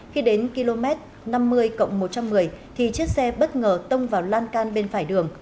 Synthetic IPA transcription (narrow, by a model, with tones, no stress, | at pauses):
xi˧ɗe˨˦nki˧lo˧mɛ˦˥t̚ | na˧mːɨ˧əjkə̰˧˨wŋ͡mmo˨˩t̚t͡ɕa˧mːɨ˨˩əjt̪ʰi˨˩t͡ɕi˦˥ək̚sɛ˧ɓə˦˥t̚ŋəː˨˩t̪ə˧wŋ͡mvaː˨˩wlaː˧nkaː˧nɓe˧nfaː˧˩jɗɨ˨˩əŋ